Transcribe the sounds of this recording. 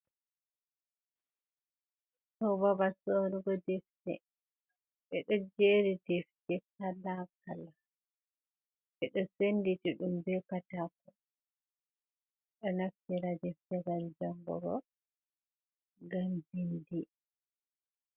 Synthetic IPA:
tɔbabasonuɡɔdɛftɛ̰ | ɓɛɗɔd͡ʒɛɾidɛftɛkalːakala | ɓɛɗɔsenditiɗumbɛkatakɔ | ɗɔnaftɛɾadɛftɛɡand͡ʒambɔ̰ɡɔ̰ | ɡambindi

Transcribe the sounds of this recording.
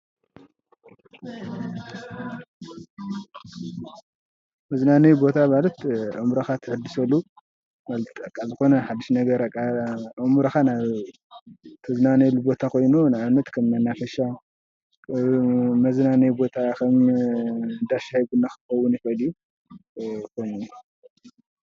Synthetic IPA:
mɐznanɐjbo̞t̪ʰamalɐt̪ʔɨmuɾɐxat̪ʰɨħɨd̪ɨsɐlːu | malt̪ʰɨt̪ʼɐkʼazɨxo̞nɐħad̪ːiʃnɐɡɐɾɐkʼaʔɨmuɾɐxanaβ | t̪ʰɨznanɐlubo̞t̪ʰakʰo̞jnunaβnːɐt̪kʰɐmnɐnːafɐʃa | mɐznanɐjbo̞t̪ʰakʰɐm | ɨnd̪aʃahjɡunːaxɨ̥xɐwːʊnifɐd̪iju | kʰo̞jnu

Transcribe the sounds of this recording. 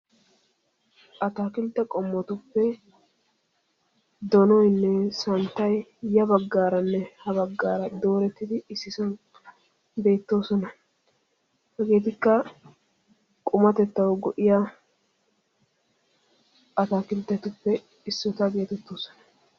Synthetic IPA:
ʔɐt̪aːkɪlt̪ːɐkʼɔmːɔt̪ʊpːɛ | d̪ɔnɔjnːɛsɐnt̪ːɐjjɐbɐɡːaːɾɐnːɛhɐβɐɡːaːɾɐd̪o̞ːɾɛt̪ːɪd̪ɪɪsːɪsɐn | be̞ːt̪ːo̞ːsɔnɐ | hɛɡe̞ːt̪̬ɪkːɐ | kʼʊmɐt̪ɛt̪ːɐwɡɔʔɪja | ʔɐt̪aːkɪlt̪ːɛt̪ʊpːɛ | ɪsːɔt̪ɐbe̞ːt̪ɛt̪ːoːsɔ̥nɐ

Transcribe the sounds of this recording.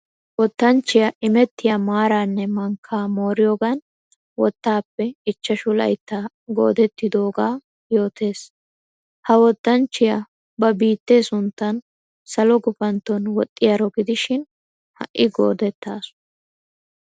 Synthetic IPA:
wɔt̪ːɐnt͡ʃːɪjɐʔɪmɛt̪ːɪjɐmaːɾaːnːɛmɐŋkʰːaːmo̞ːɾɪjoːɡɐn | wɔt̪ːaːpːɛɪt͡ʃːɐʃʊlɐ̰jt̪ːaː | ɡo̰ːd̪ɛt̪ːɪd̪o̞ːɡaː | jo̞ːt̪ʰe̞ːs | hɐwɔt̪ːɐnt͡ʃːɪjɐ | bɐbiːt̪ːe̞ːsʊnt̪ːɐn | sɐlɔɡʊpɐnt̪ːɔnwɔt̪ʼːɪjɐɾɔɡɪd̪ɪʃɪn | hɐ̰ʔːɪɡo̰ːd̪ɛt̪ːaːsʊ̥

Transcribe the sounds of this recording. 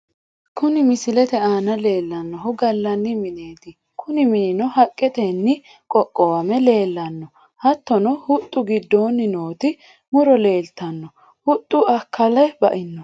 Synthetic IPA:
kʊnɪmɪsɪlɛt̪ɛaːnɐle̞ːlːɐnːɔɦʊɡɐlːɐnːɪmɪne̞ːd̪ɪ | kʊnɪmɪnɪnɔhɐkʼːɛt̪ɛnːɪ | kʼɔkʼːɔwɐmɛle̞ːlːɐnːɔ | hɐt̪ːɔnɔhʊt̪ʼːʊɡɪd̪ːoːnːɪnoːt̪ɪ | mʊɾɔle̞ːlt̪ɐnːɔ | hʊt̪ʼːʊɐkʰːɐlɐjbɐ̰ʔɪnːɔ

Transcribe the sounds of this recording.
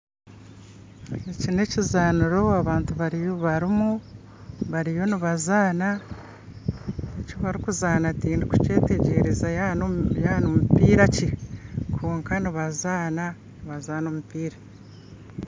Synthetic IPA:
ecine̞cizaːnuɾo̞aβaːntuβaɾijoβaɾimu | βaɾijo̞niβazaːna | ecoβaɾikuzaːnatiːndiku̥ce̞ːte̞ɟe̞ːɾezajnjaːnomupiːɾacikʰuːŋkaniβazaːna | niβazaːnoːmupiːɾa

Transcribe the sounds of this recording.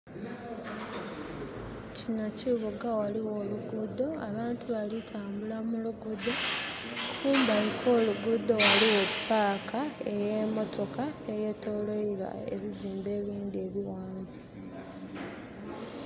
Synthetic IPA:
cinociβuɡawaliwo̞ːluɡudo̞aβaːntuβalitʰaːmbulamuluɡud̪o̞ | kʰuːmbalikʰo̞ːluɡud̪ːo̞waliwe̞pːaːkʰae̞jemo̞tʰo̞kae̞je̞ːtːo̞ːlo̞iɾa̰ḛβiziːmbe̞ːβiːndieːβiwaːnba

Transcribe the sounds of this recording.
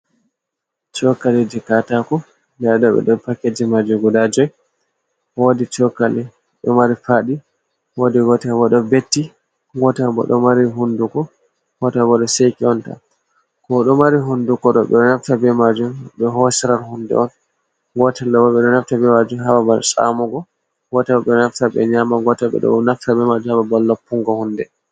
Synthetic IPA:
t͡ʃɔkalidɛkatakɔ | dɛɗɔɓɛ̰ɗɔpakːed͡ʒimad͡ʒumɡudad͡ʒɔj | wodit͡ʃɔkalɛ | ɗɔmaɾifaɗi | wodiɡɔtɛabɔɗɔbetːi | ɡɔtaabɔ̰ɗɔmaɾiɦundukɔ | wɔtabɔɗɔsejkiɔnta̰ | kɔɗɔmaɾiɦundukɔɗɔɓɛ̰ɗɔnaftabɛmad͡ʒumɓɛɦɔsɛɾaɾhundɛ̰ɔn | ɡɔtalːabɔɓɛɗɔnaftabɛmad͡ʒumɦababalsa̰mɔɡɔ | ɡɔtaɔɓɛɔnaftaɓɛ̰ɲamaɡɔtaɓɛ̰ɗɔ̰naftabɛmad͡ʒumhababalːapːuŋɡɔhundɛ

